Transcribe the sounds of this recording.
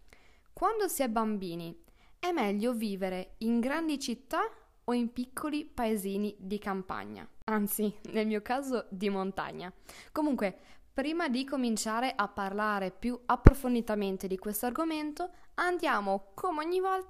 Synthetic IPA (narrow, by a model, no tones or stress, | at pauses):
kwand̪osiɛbːambiːni | ɛmːɛʎːoviːveɾeiŋɡɾand̪it͡ʃit̪ːa | oimpikʰːolipaeziːnid̪ikampa̰ɲːa̰ant̪sinelmiːokaːzod̪imont̪a̰ɲːakomuŋkwepɾiːmad̪ikomint͡ʃaːɾeʔapːarlaːɾepjuapːɾofond̪it̪ament̪ed̪ikwest̪oarɡoment̪oand̪jaːmokʰomeoɲːivɔl